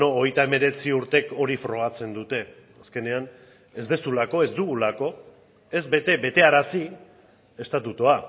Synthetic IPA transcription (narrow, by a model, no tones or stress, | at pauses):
ooɣejt̪ae̞me̞ɾe̞t͡siuɾt̪e̞ko̞ɾifɾo̞ɣat͡se̞nd̪ut̪e̞ | aske̞ne̞an | e̞zd̪e̞sulako̞e̞zd̪uɣulako̞ | e̞zbe̞t̪e̞be̞t̪e̞aɾasi | e̞st̪at̪ut̪oa